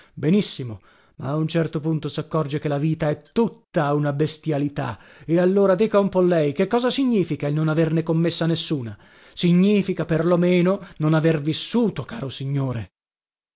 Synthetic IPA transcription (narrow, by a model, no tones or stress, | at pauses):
benisːimo | ma̰ːunt͡ʃɛrt̪opunt̪osakːɔrd͡ʒekelaviːt̪aɛt̪ːut̪ːaunabest̪jalit̪a | ealːoːɾad̪iːkaumpɔlːɛjkekːɔːzasiɲːiːfikailnonavernekomːesːanesːuːna | siɲːiːfikaperlomeːnononavervisːuːt̪okaːɾosiɲːoːɾe